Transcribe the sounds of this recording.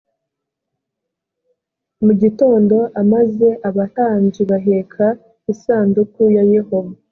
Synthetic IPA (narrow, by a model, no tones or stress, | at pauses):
muɟito̞ːndo̞ʔamaze̞ʔaβaɾaːɲd͡ʒiβaɦe̞kʰa | isaːndukujaje̞ho̞va